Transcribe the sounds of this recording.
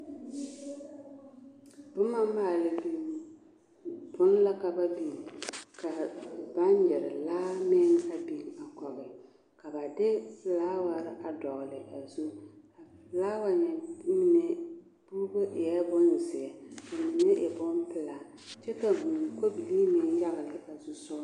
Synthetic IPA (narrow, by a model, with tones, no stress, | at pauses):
bʊ˦ma˦maː˦˨lɪ˨bi˨ | bʊ˦n˦la˦ka˨ba˦bi˨ka˨ba˦n˦jɛ˨ɾɪ̰˨laː˦mɪ˦ŋ˦a˨bi˨ŋa˨kɔ˨bɪ˨ | ka˨ba˨dɪ˦laː˦wa˨ɾɪ˦ʔa˨dɔ˨ɣʊ˨lɪ˨ʔa˨zu˦a˨laː˦wa˨ɲɛ˨mi˦ne˨ | b̥u˦bo˦ʔɪ˨jɛ˦bʊ˦n˨zɪ˨ɛ˨ka˨mi˨ne˦ʔɪ˨bʊ˦mpɪ˦la˨ | t͡ʃɛ˦ka˨bu˨ko˦bi˨li˦mɪ˨˦ja˦ɣɪ˨lɪ˨ʔa˨zu˦sʊ˦